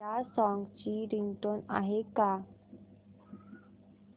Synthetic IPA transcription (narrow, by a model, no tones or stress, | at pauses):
asɔŋɡt͡ɕiɾiŋɡʈona̰ɦeka